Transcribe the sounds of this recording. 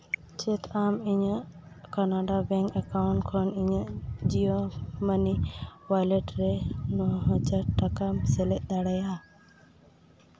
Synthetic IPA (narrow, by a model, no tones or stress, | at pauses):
t͡ʃɛt̪amiɲaʔkanaɖabɛ̃ŋkakawɳʈkʰɔniɲaʔd͡ʒijoməniwajlɛʈɾɛnɔɦɔ̃d͡ʒaɾʈakamsɛlɛʔ̚ˀd̪aɽaja